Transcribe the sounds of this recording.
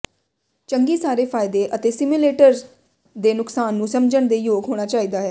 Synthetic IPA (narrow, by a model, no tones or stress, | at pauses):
t͡ʃəŋɡiːsaːɾeːpʰaːɪd̪eːʔət̪eːsɪmileːʈəɾ | d̪eːnʊksaːnːũːsəmd͡ʒəɳd̪eːjoːɡɦoːɽ̃aːt͡ʃaːiːd̪aːɦɛː